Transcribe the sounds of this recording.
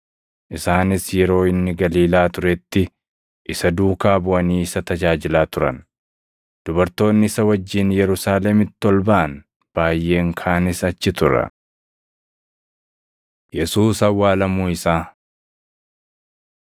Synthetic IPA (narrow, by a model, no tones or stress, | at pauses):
ʔɪsaːnɪsjɛɾo̞ːɪnːɪɡɐliːlaːt̪ʊɾɛt̪ːɪ | ʔɪsɐd̪uːkaːbʊʔɐniːɪsɐt̪ɐd͡ʒaːd͡ʒɪlaːt̪ʊɾɐ̰n | d̪̥ʊbɐɾt̪o̞ːnːɪɪsɐwɐd͡ʒːɪnjɛɾʊsaːlɛmɪt̪ːɔlbɐaʔɐn | b̥aːjːe̞ːŋkʰaːnɪsɐt͡ʃːɪt̪ʊɾɐ̰ | jɛsuːsɐwːaːlɐmuːɪsaː